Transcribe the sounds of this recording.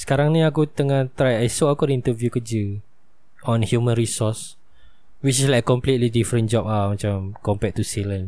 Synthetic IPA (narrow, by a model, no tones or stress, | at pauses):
sə̥kaɾaŋnĩakut̪əŋaht̪ɾajajsoakudəint̪əvjukəd͡ʒə | ʔɔ̃nhjumə̃nɾisɔs | wit͡ʃislajkəkːɔmplit̪lidifɾə̃nd͡ʒɔp̚amãt͡ʃamkɔmpɛt̪̚ːusilə̃n